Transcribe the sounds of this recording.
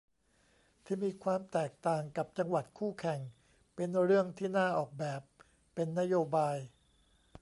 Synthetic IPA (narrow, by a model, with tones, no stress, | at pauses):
t̪ʰiː˥˩miː˧kʰwaː˧mt̪ɛː˨˩k̚t̪aː˨˩ŋka˨˩p̚t͡ɕa˧ŋwa˨˩t̪̚kʰuː˥˩kʰɛ˨˩ŋ | pe˧nɾɯ˥˩əŋt̪ʰiː˥˩naː˥˩ʔɔː˨˩k̚bɛː˨˩pː | e˧nːa˦˥joː˧baː˧j